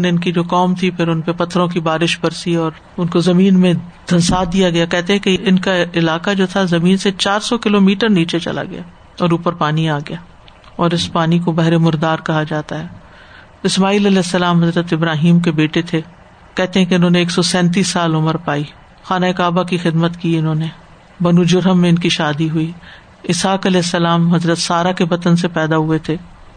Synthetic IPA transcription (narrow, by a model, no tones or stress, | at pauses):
neɪnkid͡ʒoːkɔːmt̪ʰipʰɪɾʊnpepɐt̪ʰːɾõk̬ibaːɾɪʃbɐɾsiɔːɾ | ʊnkozɐmĩːnmẽd̪̥ʱɐnsaːd̪ijaɡɐjakɛɦt̪eɦɛ̃keɪnkaɪlaːkad͡ʒoːt̪ʰazɐmĩːnset͡ʃaːɾsɔkɪloːmiːʈəɾniːt͡ʃet͡ʃɐ̰la̰ɡɐ̰jaː | ɔːɾuːpəɾpaːniaːɡɐjaː | ɔːɾɪspaːnikobɐɦɾemʊɾd̪aːɾkɐɦad͡ʒaːt̪aɦɛː | ɪsmaːiːlɐlɛːɪsːɐlaːmɦɐzɾət̪ɪbɾaːɦiːmkebeːʈet̪ʰe | kɛɦt̪eɦɛ̃keɪnɦõːneːksɔsɛ̃ːnt̪̬iːsːaːlʊməɾpaːi | xaːnaɪkaːbakixɪd̪mət̪kiɪnɦõːne | bɐnud͡ʒʊɾɦəmːẽɪnkiʃaːd̪iɦui | ɪsaːkɐlɛːɦsːɐlaːmɦɐzɾət̪saːɾakeʋɐt̪ənsepɛːd̪aɦʊet̪ʰeː